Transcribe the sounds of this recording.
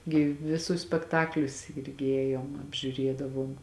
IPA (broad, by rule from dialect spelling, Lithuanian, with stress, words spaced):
ɡʲɪ ʋʲɪˈsʊs sʲpʲɛkˈtɑːklʲʊs ˈɪrʲɡʲɪ ˈeːjoːm ɐbʲʒʲʊˈrʲiɛdɐʋoːm